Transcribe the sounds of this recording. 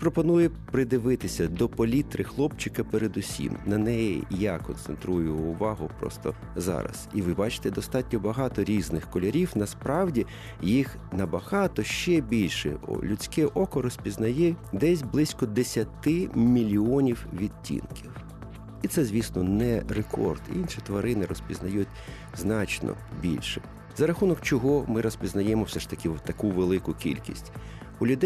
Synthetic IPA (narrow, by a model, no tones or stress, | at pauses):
pɾɔpɔnujɛpɾɪd̪ɪʋɪt̪ɪsʲɐd̪ɔpɔlʲit̪ɾɪxlˠɔp̚t͡ʃɪkɐpeɾed̪ʊsʲḭmnɐnɛjḭjakɔ̰nt̪sḛnt̪ɾujʊːʋɑɦʊpɾɔ̰st̪ɔ̰ | zɑ̰ɾɐ̰siʋɪbɑt͡ʃɪ̥t̪ɛd̪ɔst̪ɑtʲnʲɔbɐɦɑt̪ɔɾʲiznɪxkɔlʲɐɾʲiwnɐspɾɑwdʲi | jix | nɐbɐɦɑt̪ɔʃt͡ʃɛbʲilʲʃɛ̰ɔ̰lʲʊt͡sʲkɛʔɔkɔɾɔsʲpʲiznɐjɛd̪ɛsʲblˠɪsʲkɔd̪esʲɐt̪ɪmʲilʲiɔnʲiwʋʲid̪̚ʲtʲːḭnkʲiw | it̪sɛzʲʋʲisnɔnɛrekʰɔ̰rd̪̥ḭnʃit̪ʋɐɾɪnɪɾɔspʲiznɐjutʲ | znɑt͡ʃnɔ̰bʲḭlʲʃɛ̥ | zɐɾɐxunɔkt͡ʃɔɦɔmɪɾɔsʲpʲiznɐjɛmɔwsɛʃt̪ɐkɪt̪ːɐkuʋelˠɪkʊkʲḭlʲkʲḭsʲtʲ | ʊlʲʊd̪ɛ